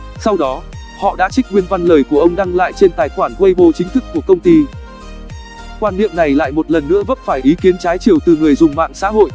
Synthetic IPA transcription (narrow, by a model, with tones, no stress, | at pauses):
sa˧wɗɔ˨˦ | hɔ̰˧˨ɗa̰ː˧˥t͡ɕï˦˥k̟̚ŋwi˧ənva˧nləː˨˩jku˧˩əʔə˧wŋ͡mɗa˧ŋla̰ː˧˨jt͡ɕe˧nt̪aː˨˩jxwaː˧˩nt̪we˧jɓo˧t͡ɕï˨˦ŋ̟t̪ʰɨ˦˥kːu˧˩əkə˧wŋ͡mt̪i˧ | kwaː˧nɗḭ˧˨əmna˨˩jla̰ː˧˨jmo˨˩t̚lə˨˩nːɨ̰˧˥əvə˦˥p̚faː˧˩jʔi˨˦ki˨˦ənt͡ɕaː˨˦jt͡ɕi˨˩əwt̪ɨ˨˩ŋɨ˨˩əjzʊ˨˩ŋ͡mma̰ː˧˨ŋsa̰ː˧˥ɦo̰˧˨j